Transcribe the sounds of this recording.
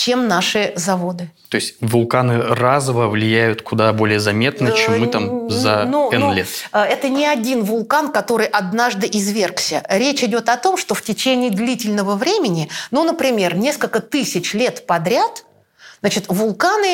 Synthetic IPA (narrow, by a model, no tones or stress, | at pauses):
t͡ɕemnaʂɨzɐvo̞d̪ɨt̪o̞ɪsʲtʲvʊlˠkanɨrazəvəvlʲɪjæjʊt̪kʊd̪abo̞lʲɪjəzɐmʲe̞t̪nət͡ɕemmːɨt̪amzɐnuɛnlʲet̪ɛt̪ənʲɪɐdʲinvʊlˠkankɐt̪o̞ɾɨjʔɐd̪naʐd̪ɨʔɪzvʲe̞rksʲəɾʲet͡ɕɪdʲo̞t̪ɐt̪o̞mʂt̪oftʲɪt͡ɕenʲɪːd̪lʲitʲɪlʲnəvəvɾʲemʲɪnʲɪnunəpɾʲɪmʲe̞rnʲeskəlʲkət̪ɨsʲɪt͡ɕlʲe̞t̪pɐd̪ɾʲat̪ | znat͡ɕɪt̪vʊlˠkanɨ